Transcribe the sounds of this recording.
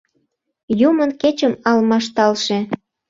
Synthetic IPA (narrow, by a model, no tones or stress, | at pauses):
jumənket͡ɕəmɑlmɑʃt̪ɑlʃe